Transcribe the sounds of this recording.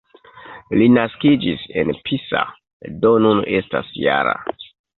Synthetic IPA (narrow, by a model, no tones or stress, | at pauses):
linaskid͡ʒise̞̰npʰisa̰ | donune̞sta̰sja̰ɾa̰